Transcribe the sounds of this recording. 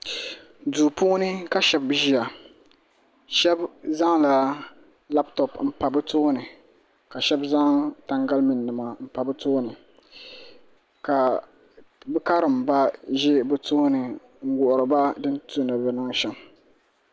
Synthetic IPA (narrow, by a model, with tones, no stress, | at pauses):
duː˨puː˦nɨ˦ka˦ʃɛ˦bʒi˦a˨ | ʃɛ˦bza˦ŋla˦ | la˦ptɔ˨pm̩˦pa˨bɨ˦toː˦nɨ˨ | ka˨ʃɛ˦bza˦ŋta˦ŋɡa˦lmi˨nː˨ɨ˨ma˨m̩˨pa˨bɨ˦toː˦nɨ˨ | ka˨ | bɨ˦ka˦ɾɨ˨mba˦ʒɪ˦bɨ˦toː˦nɨ˨ | ŋ̩˦ɡʊ˨ʔʊ˨ɾɨ˨ba˦dɨ˦ntu˦nɨ˨bɛ˨nɨ˦ŋʃɛ˨m